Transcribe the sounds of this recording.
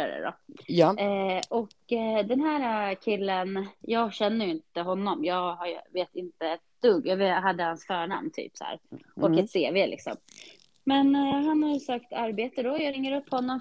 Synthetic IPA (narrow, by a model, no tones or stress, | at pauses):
a̰ɾə̰d̪ɔ̰ | ʔɔkd̪ɛnɦæːɾakʰɪlːənjɑːɡɕɛnːəjɪnt̪əɦɔnːɔmjɑːɡɦaj̰veːt̪ɪnt̪əɛt̪d̪̥ɵɡːjɑveɦad̪ːəhansfœːɳa̰mnt̪ʰy̰ːpshæ̰ːɾɔkɛt̪seːveːlɪ̰ksɔ̰m | mɛnɦanhajsøːkt̪aɾbeːt̪əd̪ɔjɑɾɪŋːəɾɵpːhɔnːɔm